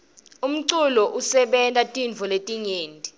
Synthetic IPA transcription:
um̩ǀulɔʔusɛɓɛntʼatʼinvʱɔletʼiŋeːntʼi

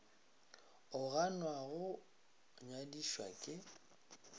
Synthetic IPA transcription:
ʊɣanwaɣʊ | ɲwadiʃwa̰kʼɪ

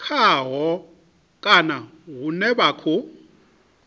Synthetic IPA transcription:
kʰaɦɔ | kʼanaɦunɛbaːkʰɔ

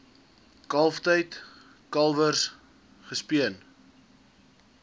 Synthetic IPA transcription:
kɐlˠftəjt | kɐlˠvərs | χəspiən

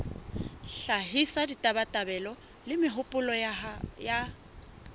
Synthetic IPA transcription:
ɬaɦisaditʼabatʼabɛlɔ | lɪmɪɦʊpʼʊlɔja

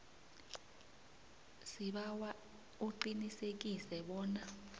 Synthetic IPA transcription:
siɓawa | uǃinisek̬isɛɓɔːna

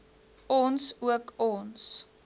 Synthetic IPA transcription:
ɔnsuəkɔns

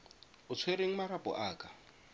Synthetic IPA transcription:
ʊt͡sʰweɾeŋ̩maɾab̥ʱʼɔ̰ʔaːkʼḁ

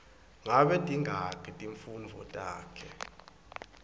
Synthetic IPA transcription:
ŋaɓɛtʼiŋʱakʰʼitʼiɱfund͡vʱɔ̰tʼaːkʰɛ

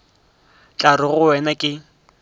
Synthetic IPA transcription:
t͡ɬʼarɪɣʊɛnakʼɪ

